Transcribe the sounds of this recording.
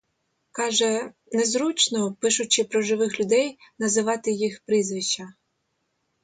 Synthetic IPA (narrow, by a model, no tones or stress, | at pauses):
kɑʒɛ | nɛzɾut͡ʃnɔpɪʃʊt͡ʃɪpɾɔʒɪʋɪxlʲʊd̪ɛjnɐzɪʋɑt̪ɪjixpɾɪzʋɪʃt͡ʃːɐ